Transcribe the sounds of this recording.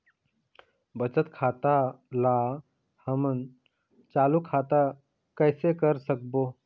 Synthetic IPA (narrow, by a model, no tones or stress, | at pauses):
bət͡ʃət̪kʰat̪a | la | həmən | t͡ʃalukʰat̪a | kəjsekəɾsək̚bo